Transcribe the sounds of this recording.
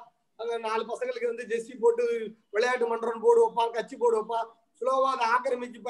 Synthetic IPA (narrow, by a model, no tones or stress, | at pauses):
ɐnɐnaːlɯpɐsɐŋɡɐɭɯkːɯʋɐnd̪ɯd͡ʒɛsipoːʈːɯʋɛɭɐjaːʈ̬ːɯmɐɳɖɾɐnpoːɽɯʋɔpːãːkɐt͡ʃːipːoːɽɯɐpːãː | sʊloːʋãːðɐaːkɐɾɐmɪkːip̬ːa